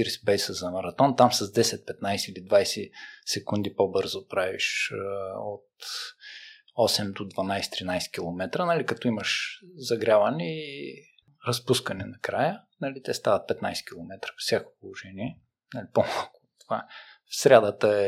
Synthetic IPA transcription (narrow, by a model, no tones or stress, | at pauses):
iɾspɛjsəzɐmɐɾɐt̪ɔnt̪amsɐzd̪ɛsɛt̪̚pɛt̪najsɛilid̪vajsɛsɛkund̪ipobɤɾzopɾavḭʃ | ot̪ | ɔsɛmd̪od̪vɐnajsɛ̥t̪ɾinajsɛ̥kʲilˠomɛt̪ɾənɐlikɐt̪ɔiməʃzɐɡɾʲavɐnɛi | ɾɐspuskɐnɛnɐkɾajənɐlit̪ɛst̪avət̪̚pɛt̪najsɛ̥kʲilˠomɛt̪ɾə̥pfsjako̥polˠoʒɛniɛ | nalipomalˠkʊ̥t̪ovafsɾʲad̪ət̪əɛ